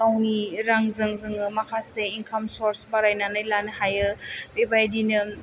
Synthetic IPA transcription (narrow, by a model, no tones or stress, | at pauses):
awniɾaŋzɯŋzɯŋɯmakʰaseinkʰamsoɾsbaɾajnanajlanɯhajɯbebajdinɯ